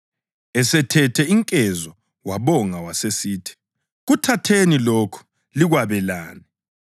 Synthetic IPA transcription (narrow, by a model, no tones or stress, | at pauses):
ɛsɛtʰɛtʰɛiŋkʼɛzɔ | waβɔŋawasesiːtʰi̥ | ɣutʰatʰeniloːkʰu̥ | liɣwaβɛlaːni